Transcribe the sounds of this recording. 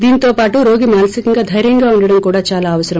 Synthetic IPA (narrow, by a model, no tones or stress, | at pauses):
d̪iːnit̪oːpaːʈuɾo̞ːɡimaːlɐsikiŋɡaːd̪ʱɐjɾjɐŋɡaːuɳɖɐɽɐmkuːɽaːt͡ʃaːlaːʋɐsɐɾɐm